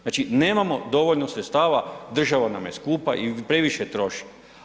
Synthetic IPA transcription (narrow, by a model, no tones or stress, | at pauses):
aːt͡ʃineːmamo̞d̪o̞ʋoʎnosɾet̪st̪aːʋad̪r̩ʒaʋanamjeskuːpa̰ʔipɾe̞ʋiʃet̪ɾo̞ʃi̥